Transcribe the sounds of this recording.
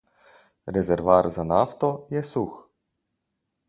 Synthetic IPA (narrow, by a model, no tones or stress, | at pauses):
ɾɛzɛɾʋaɾzanaft̪ɔjɛsux